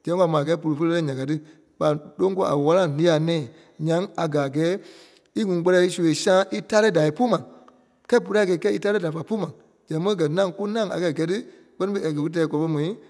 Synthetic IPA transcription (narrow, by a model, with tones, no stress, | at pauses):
d͡ʒɛ̃˨˦˧a˨mãː˨ɡɛː˨˦p̬u˨lu˨˧fə˧˦˧ɛ˦ɲã˨ka˨˦tɨ˦ | ɓa˨lo˦ŋ˦kɔ˧˦a̰˨wa˦la˦˨lĩ˧˦a˨nɛ̃ː˨ | ɲã˨˦ŋa˨ɡa˨ɡɛː˨˦ | i˦ŋũ˨˦k͡pɜ˧ɾɛ˧˦i˧˦su˨˧e˨sãː˦ʔi˦ta˦ɾɛ˦˨da˨i˨˧pu˦mã˨ | kɛ˦p̬u˧ɾa˦˨ɡɛː˨˧kɛ˦i˦ta˦ɾɛ˦da˨fa˨pu˦mã˨ | d͡ʒɛ̃˨˦ə̃˦ɡɜ˨nã˦ku˦nã˦a̰˨kɛ˧˨ɡɛ˨˦tɨ˦ | k͡pɜ˦nĩ˦fe˧˦a˨ɡə˨˧ku˦t̬ɛː˨˦˧kɔ˨˧˦ɓɔ˧˦mɔ̃˨ĩ˨˦